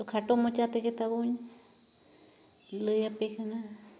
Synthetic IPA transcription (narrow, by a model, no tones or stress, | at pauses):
t̪okʰaʈomõt͡ʃat̪eket̪aβoɲ | ləjapekʰɨnã